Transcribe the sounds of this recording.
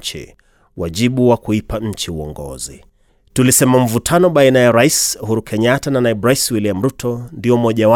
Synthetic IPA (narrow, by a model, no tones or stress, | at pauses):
t͡ʃḭ | waʄiɓuwakuipaɲ̩t͡ʃiuɔ̰ŋɡɔ̰zi | tulisɛmam̩vutʰanɔɓainajaɾaishuɾukʰɛɲatananaiɓɾaiswiliam̩ɾutʰɔndiɔmɔʄawa